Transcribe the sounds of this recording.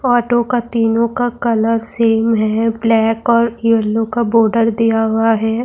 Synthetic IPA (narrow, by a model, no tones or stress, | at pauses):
ɔːʈokat̪iːnõkakɐləɾseːmɦɛblɛːkɔːɾiəlːõkaboːɾɖəɾd̪ijaɦʊaɦɛː